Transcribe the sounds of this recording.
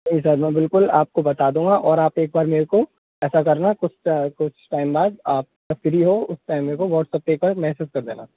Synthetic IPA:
nɐɦĩsɐɾmɛ̃ːbɪlkʊla̰ːp̚kobɐt̪aːd̪ũːŋɡaʔɔːɾaːpeːk̚baːɾmeːɾko | ɛːsakɐɾnakʊt͡ʃʰkʊt͡ʃʰʈaːɪmbaːd̪aːp̚ | ɐkɪɾiɦoʊsʈaːɪmːeːɾkoʋɔːʈsɐp̚ːeːk̚baːɾmɛɦsuːskɐɾd̪ḛːna̰

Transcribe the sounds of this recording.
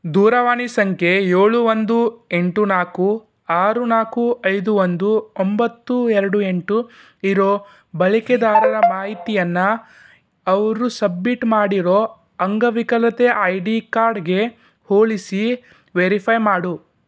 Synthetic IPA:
d̪uːɾɐʋaːɳisɐŋkʰe̞joːɭuʋond̪ue̞ɳʈunaːku | aːɾunaːkuɐjd̪uʋond̪uombɐt̪ːuɛɾɐɽue̞ɳʈu | iɾo̞ː | bɐɭiked̪aːɾɐɾɐmaːɦit̪ijɐnːɐ | ɐʋɐɾusɐbmiʈmaːɽiɾoː | ɐŋɡɐʋikɐlɐt̪e̞ʔɐjɖikaːɾɖɡe̞ | hoːɭisi | ʋeɾipʰɐjmaːɽu

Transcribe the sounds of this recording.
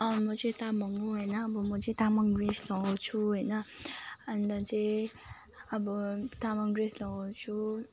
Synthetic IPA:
ʌ̃mʌt͡sʌ̃ĩt̪amʱʌŋɡuɦʌjnʌbʌmʌt͡sʌ̃ĩt̪amʌŋɡreslʌɡawt͡sʰuɦʌjnʌʌnd̪ʌt͡saĩ | ʌbʌt̪amʌŋɡɾeslʌɡawt͡sʰu

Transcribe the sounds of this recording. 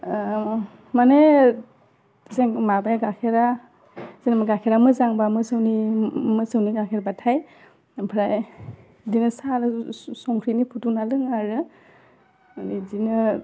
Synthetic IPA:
mane | seŋmabajaɡakʰeɾa | zenamaɡakʰeɾamɯzaŋbamɯsɯwnimɯsɯwniɡakʰeɾabatʰaj | pʰɾaj | dinɯsalsɔŋkʰɾinipʰutunalɯŋaɾɯ | nidinɯ

